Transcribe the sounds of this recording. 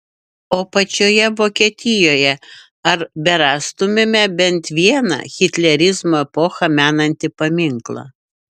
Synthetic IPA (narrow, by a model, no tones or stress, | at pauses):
oːpɐt͡ʃʲoːjɛʋoːkʲiɛt̪ʲɪjoːjɛ | ɐɾbʲɛɾɑːst̪ʊmʲemʲɛbʲɛnt̪ʋʲiɛnɐ̰xʲɪt̪ʲlʲɛɾʲɪzmoːɛpoːxɐmʲæːnɐnʲt̪ʲɪpɐmʲɪŋklˠɐ̰